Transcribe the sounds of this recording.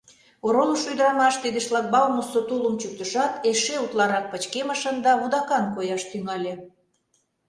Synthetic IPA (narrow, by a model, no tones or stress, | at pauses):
oɾoməʃyd̪əɾɑmɑʃt̪id̪ə̆ʃlɑk̚bɑlmosot̪uləmt͡ɕuk̚t̪əʃɑt̪eʃeut̪lˠɑɾɑk̚pə̆t͡ɕkeməʃənd̪ɑβud̪ɑkɑnkojɑʃt̪yŋɑlʲe